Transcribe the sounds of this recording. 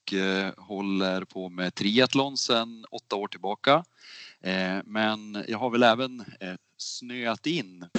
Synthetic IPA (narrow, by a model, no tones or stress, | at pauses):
khɔlːəɾpʰoːmet̪ʰɾiːat̪lɔnsɛnɔt̪ːaoːʈʰɪlbɑːka | mɛnjʔɑ̰ːɡhaɾvɛlɛːvən | snøːat̪ɪnː